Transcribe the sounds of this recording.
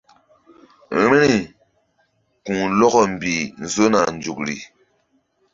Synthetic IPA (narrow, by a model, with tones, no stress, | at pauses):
ɾe˦ni˦˨ | ku˨ŋlɔ˦kɔ˨m̩˨bi˨n̩˨zo˦na˨n˨d͡ʒu˨k̚ɾḭ˨